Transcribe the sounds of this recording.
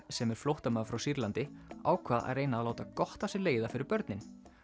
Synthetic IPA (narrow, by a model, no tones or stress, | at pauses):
sɛmɛɾ̥flowht̪amaːfɾawsiɾlant̪ɪa̰ːwkʰvaːða̰ðreːjnaaðloːwt̪akɔht̪asɪleːjðafɪɾɪɾpœɾt̪nɪn